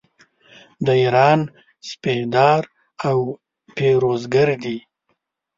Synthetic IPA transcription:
d̪əiɾɑn | spehd̪ɑːɾ | aw | peɾozɡaɾd̪i

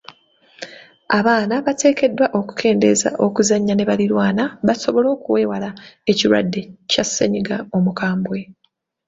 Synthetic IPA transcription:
aβaːnaβatʰe̞ːke̞dːwaʔo̞ku̥kʰe̞ːnde̞̰za̰ʔo̞kuzaɲːane̞βaliɾwaːnaβaso̞βo̞lo̞ːkuwe̞ːwalae̞ciɾwa̰dːe̞casːeɲiɡao̞mukaːmbwe̞

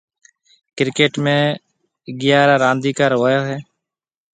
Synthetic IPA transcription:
kɾɪkeːʈmẽː | ɡɪjaːɾaːɾãːnd̪iːkaɾʋoːjoːɦeː

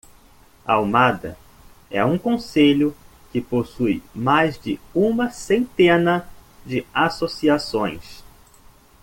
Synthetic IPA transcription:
a̰wmad̪ɐ̰ | ɛ̰ũkõseʎʊ | kɪposujmajzd͡ʒɪũmɐsẽnt̪ẽnɐd͡ʒɪasosiasõj̃s

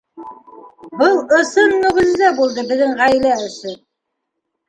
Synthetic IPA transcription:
bɤlˠɤ̆sɤnːɵ̆ʁɵ̆zːæbulˠd̪ɤbɘ̆ðːɘŋʁæjlæɵ̆sɤ

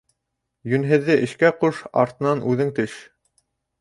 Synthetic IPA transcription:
jɵ̆nɦɘ̆ðːɘʔɘ̆ʃkæquʃɑ̰ɾt̪ɤ̆nɑnʔʉðɘŋt̪ɘʃ

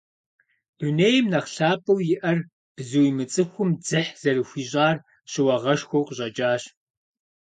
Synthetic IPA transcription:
d̥uneːjmnɐχɬaːpʼɐwjɪʔɐr | b̥zɨwimɨt͡sʼɨxʷʊmd͡zɨħz̥ɐɾɨxʷiːɕʼaːr | ɕɪwɐʁɐʃxʷowqʼəʑʼɐd͡ʒʼaːɕ

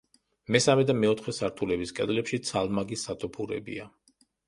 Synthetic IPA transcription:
mɛsamɛd̪amɛɔt̪ʰχɛsaɾt̪ʰulɛbiskʼɛd̪lɛpʃit̪sʰalˠmaɡisːat̪ʼɔpʰuɾɛ̰bḭa

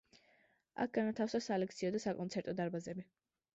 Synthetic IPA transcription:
a̰k̚ʰɡ̥anat̪ʰafsasalɛk̚t̪sʰiɔd̪asakʼɔnt̪sʰɛɾt̪ʼɔd̪aɾbazɛbi

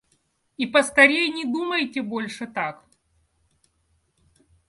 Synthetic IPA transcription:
ipɐst̪ɐɾʲejnʲɪd̪uməjtʲɪbolʲʂɨt̪ak

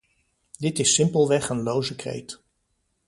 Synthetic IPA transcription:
dɪtɪsɪmpəlˠʋɛχənlowzəkrḛjt

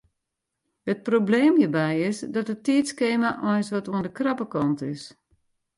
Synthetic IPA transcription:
hət̚probleːmjiːbɛjɪsdɔtətːitskeːmaʔɔjnsʋɔtuəndəkrapəkɔntɪs

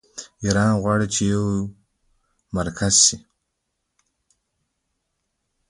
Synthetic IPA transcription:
iɾɑːnʁwɑːɽit͡ʃʰejaw | maɾkʰazʃi

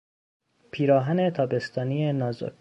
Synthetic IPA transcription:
pʰiːɾɒːɦæne̞t̪ʰɒːbe̞st̪ʰɒːnijenɒːzo̰k

